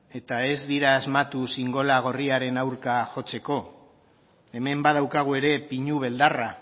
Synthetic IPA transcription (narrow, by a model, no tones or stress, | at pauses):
e̞t̪ae̞zd̪iɾaːzmat̪usiŋɡo̞laɣ̞o̞riaɾe̞nawɾkaʝo̞t͡se̞ko̞ | e̞me̞mbaðawkaɣ̞ue̞ɾe̞piɲuβ̞e̞ld̪ara